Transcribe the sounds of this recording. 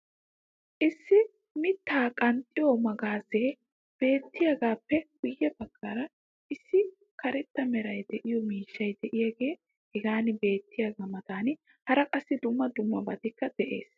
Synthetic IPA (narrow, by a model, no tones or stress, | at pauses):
ʔɪsːɪ | mɪt̪ːaːkʼɐnt̪ʼːɪjɔmɐɡaːzeː | b̥e̞ːt̪ːɪjaːɡaːpːɛɡʊjːɛbɐkʰːaɾɐ | ʔɪsːɪ | kɐɾɛt̪ːɐmɛɾɐjd̪ɛʔɪjɔmiːʃːɐjd̪ɛʔɪjaːɡe̞ː | hɛɡaːnɪbe̞ːt̪ːɪjaɡaːmɐt̪aːn | hɐɾɐkʼɐsːɪd̪ʊmːɐd̪ʊmːɐbɐd̪ɪkːɐd̪̥ɛʔe̞̰ːs